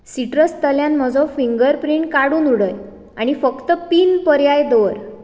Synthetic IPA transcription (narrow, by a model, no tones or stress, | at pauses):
siʈɾəst̪əljãnm̤əd͡zɔfiŋɡəɾpɾiɳʈkaɽuːnuɽəj | a̰ɽ̃ifəkt̪əpiːnpəɾjajd̪oɾ